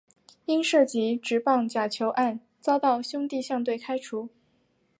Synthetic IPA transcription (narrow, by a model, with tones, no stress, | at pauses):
i˥nʂɤ˥˩t͡ɕi˧˥ʈ͡ʂɻ̩˨˧˥pɑ˥˩ŋt͡ɕja˨˩t͡ɕʰjo˧˥ʊʔa˥˩n | t͡sɑ˥ʊt̪ɑ˥˩ʊɕjʊ˥ŋt̪i˥˧ɕjɑ˥˧ŋt̪we˥˩ɪkʰa˥ɪʈ͡ʂʰu˧˥